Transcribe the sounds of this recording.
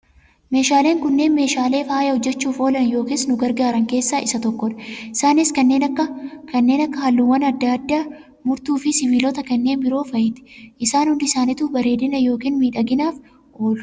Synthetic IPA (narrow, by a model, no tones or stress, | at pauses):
me̞ːʃaːle̞ːŋkʊnːe̞ːnme̞ːʃaːle̞ːfaːjɐhɔd͡ʒːɛt͡ʃːuːfo̞ːlɐnjo̞ːkiːsnʊɡɐɾɡaːɾɐŋke̞ːsːaːʔɪsɐt̪ɔkːɔᶑ̪ɐ̥ɪsaːnɪskɐnːe̞ːnɐkːɐkɐnːe̞ːnɐkːɐhɐlːuːwːɐnɐd̪ːad̪ːaː | mʊɾt̪uːfɪsɪbiːlɔt̪ɐkɐnːe̞ːnbɪɾo̞ːfɐjɪt̪ɪ̥ʔɪsaːnhʊnd̪ɪsaːnɪt̪uːbɐɾe̞ːd̪ɪnɐjo̞ːkiːnmiːᶑɐɡɪnaːf | o̞ːl